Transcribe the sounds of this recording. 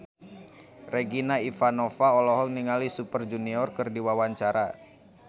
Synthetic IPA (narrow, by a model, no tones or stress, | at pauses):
reɡinaifanɔfaɔlɔɦɔŋniŋalisupərd͡ʒuniɔrkərdiwawaɲt͡ʃaɾa